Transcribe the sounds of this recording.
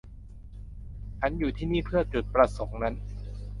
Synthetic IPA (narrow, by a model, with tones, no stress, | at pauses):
t͡ɕʰa˦˥njuː˨˩t̪ʰiː˥˩niː˥˩pʰɯ˥˩ɐt͡ɕu˨˩t̪̚pɾa˧so˩˦ŋna˦˥n